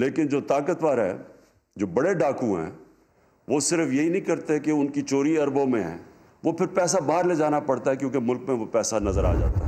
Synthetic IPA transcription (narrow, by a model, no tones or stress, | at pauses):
leːkɪnd͡ʒoːt̪aːkət̪ʋaːɾɦɛ̰ː | d͡ʒoːbɐɽeɖaːkũɦɛ̰̃ː | ʋoːsɪɾəfjɐɦinɐɦĩkɐɾt̪eɦɛkeʊnkit͡ʃoːɾiɐɾbõmẽɦɛ̰̃ː | ʋopʰɪɾpɛːs̬abaːɾled͡ʒaːnapɐɽt̪aɦɛkjõːkemʊlk̚mẽʋopɛːsanɐzəɾa̰ːd͡ʒa̰ːt̪aɦɛ